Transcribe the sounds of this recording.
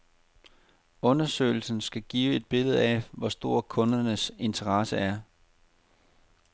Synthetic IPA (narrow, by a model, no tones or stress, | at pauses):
ɔ̽nɐsø̰ːɪl̩sn̩sɡ̥æɡ̥iːʊe̝d̥̚b̥e̝lð̩ˠɛʋɒsd̥o̝ɐ̰kʰɔ̽nɐnəse̝nt͡sʰɐʁɑ̈səæɐ